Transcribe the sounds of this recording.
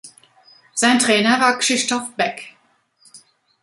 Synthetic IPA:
z̥aɪntʁ̥ɛːnɐvaːɐkʁ̥ɪʃtɔfb̥ɛk

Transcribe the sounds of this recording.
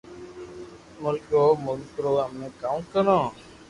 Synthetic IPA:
mʊlkoːmʊlkɾoːəmnẽːkaːmkənõː

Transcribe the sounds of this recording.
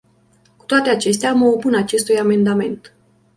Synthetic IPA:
ku̥t̪oat̪e̞at͡ʃe̞st̪eaməopunat͡ʃe̞st̪ujame̞nd̪ame̞nt̪

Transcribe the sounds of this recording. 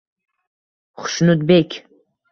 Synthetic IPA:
χʊ̥ʃnut̪̚bekʲʰ

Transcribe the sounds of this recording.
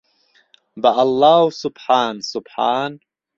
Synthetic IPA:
baʔalːaːhʊsʊbħaːnsʊbħaːn

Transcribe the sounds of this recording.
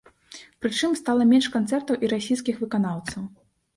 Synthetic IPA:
pɾɨt͡ʂɨmst̪alˠɐmʲɛnʂkant̪sɛrt̪ɐwʔiɾasʲijs̬kʲixvɨkanawt̪sɐw

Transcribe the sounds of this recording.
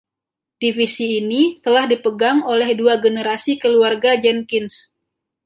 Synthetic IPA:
tifisiːnit̪əlahdipəɡaŋolɛhduaɡənəɾasikəluarɡad͡ʒɛnkɪns

